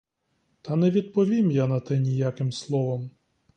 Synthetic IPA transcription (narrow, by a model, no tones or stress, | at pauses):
t̪ɐnɛʋʲid̪̚pɔʋʲimjanɐt̪ɛnʲijakɪmslˠɔʋɔm